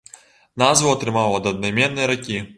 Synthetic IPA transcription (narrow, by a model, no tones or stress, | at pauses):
nazvuɐt̪ɾɨmawɐd̪ɐd̪nɐjmʲɛnːɨjɐɾakʲi